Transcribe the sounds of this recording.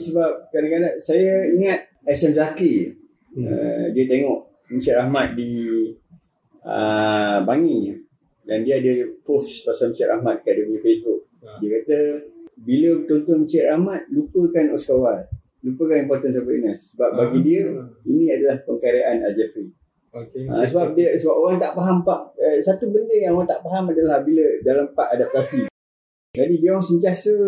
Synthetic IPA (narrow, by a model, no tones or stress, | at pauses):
səbap̚kadakadasajaiŋat̪̚ | ɛsɛmzaki | ə̰diət̪eŋɔʔ | mət͡ʃɛʔɾʔahmat̪̚di | əbaŋinɲə | dandiəadəpost̪asamt͡ʃɛʔɾʔa̰hmat̪̚kadəɡodifesbʊk̚ | diəkat̪əbilət̪ont̪ɔnt͡ʃɛʔahmat̪̚lupəkanɔ̰ʔskawal | lupəkanimpɔrt̪ənt̪əbiʔnəsːəbap̚baɡidiəinĩadalahpəŋkaɾaʔana̰d͡ʒɛfɾi | ã̰səbap̚dəsəbap̚oɾaŋt̪aʔpaɦampaʔəsat̪ubəndɪjãŋoɾaŋt̪aʔpaɦamadalahbilədalampaʔadap̚t̪asi | d͡ʒadidiawaŋsənt̪iasə